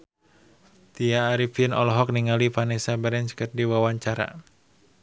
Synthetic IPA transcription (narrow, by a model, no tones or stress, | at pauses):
t̪iaːɾipinɔlɔɦɔk̚niŋalipanɛsabəɾɛnt͡ʃkərdiwawaɲt͡ʃaɾa̰